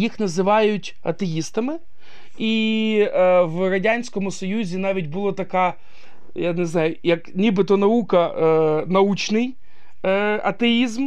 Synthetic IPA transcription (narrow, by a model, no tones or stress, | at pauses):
jixnɐzɪʋɑjʊtʲ | ɐ̰t̪ejist̪ɐmɪ | i | wɾɐdʲanʲsʲkɔmʊsɔjuzʲinɑʋʲit̚ʲbʊlˠɔt̪ɐka | janeznɑjʊjɐknʲibɪt̪ɔnɐukɐnɐut͡ʃnɪj | ɐt̪eizm